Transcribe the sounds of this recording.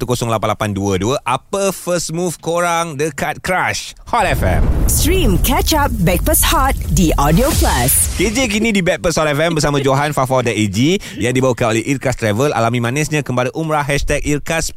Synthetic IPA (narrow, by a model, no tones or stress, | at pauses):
t̪ukosɔŋlapanlapanduəduəʔapəfəsmufkoɾaŋdəkat̪̚kɾaʃhɔtɛfɛ̰msɾĩmkɛt͡ʃap̚bɛk̚pəshat̪̚diʔɔdioplasked͡ʒek̬inĩdibɛk̚pəshɔtɛfɛmbərsamãd͡ʒoɦanfafadaed͡ʒi | jaŋdibawəkanolɛhʔirkast̪ɾɛvəlʔa̰lamĩmãnɛsɲãkəmpadaʔumɾaɦɛʃt̪ɛk̚irkas